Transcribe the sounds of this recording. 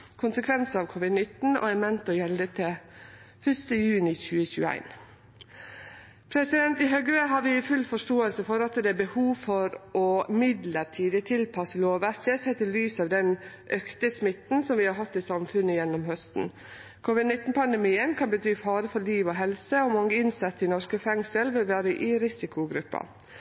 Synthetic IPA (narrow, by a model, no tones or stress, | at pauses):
kʰʊnsəkʰʋɛnsəɑʋkʰɔʋɪd̪nɪt̪n̩ɔ̰ɛmɛnt̪ɔjɛld̪ət̪ʰɛ | fœʂt̪əjʉːnɪçʉːəçʉːæ̰ɪn | pʰɾɛsɪd̪ɛnt̪ɪɦœɡɾəɦɑɾʋɪfʉlːfɔʂʈoːəlsəfɔɾɑt̪d̪ɛæbəhuːʋfɔɾɔmɪd̪ləɾʈʰiːd̪ət̪ʰɪlpʰɑsəloːʋʋæɾkəsɛt̪ːəlyːsɑʋd̪ɛn | ʔœkt̪əsmɪt̪n̩sɔmʋɪhɑɾɦɑt̪ːɪsɑmfʉnːəjɛnːɔmhœst̪n̩ | kʰoːʋɪd̪nɪt̪ːn̩pʰɑnd̪ɛmiːənkʰɑnbət̪ʰyːfɑːɾəfɔɭiːʋoːɦɛlsəɔmɑŋːəɪnsɑt̪ːɪnɔʂkəfɛŋsəlʋɪlʋæːɾəʔɪɾɪsɪkʰʊɡɾʉpːɑ̰